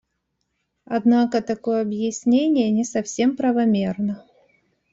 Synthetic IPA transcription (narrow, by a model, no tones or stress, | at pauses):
ɐd̪nakət̪ɐko̞jəɐbjɪsʲnʲenʲɪjənʲɪsɐfsʲe̞mpɾəvɐmʲernə